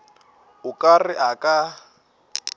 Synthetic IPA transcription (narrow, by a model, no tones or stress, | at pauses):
ʊkʼarɪʔakʼa